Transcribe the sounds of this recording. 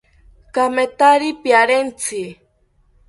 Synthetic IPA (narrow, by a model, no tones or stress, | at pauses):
kamet̪aɾipjaɾent͡sʰi